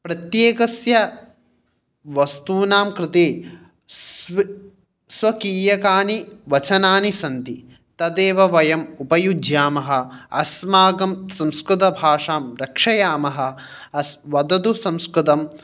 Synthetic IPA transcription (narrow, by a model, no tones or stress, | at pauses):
pɾɐt̪jeːkɐsjɐ | ʋɐst̪uːnaːmkɾɪt̪eː | s | sʋɐkiːjɐkaːniʋɐt͡ʃɐnaːnisɐnt̪i | t̪ɐd̪eːʋɐʋɐjɐmupɐjudʱjaːmɐɦɐ̆ɐsmaːɡɐmsɐ̃mskɾɪt̪ɐbʱaːʂaːmɾɐkʂɐjaːmɐɦɐ̆ | ɐsʋɐd̪ɐd̪usɐ̃mskɾɪt̪ɐm